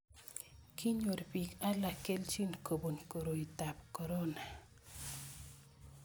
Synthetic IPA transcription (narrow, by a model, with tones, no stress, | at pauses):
kʰi˦ɲo˨ɾpi˨ka˦la˨ke˦lt͡ʃi˦nko˨bo˨nko˨ɾo˨i˨ta˨pko˨ɾo˦na˨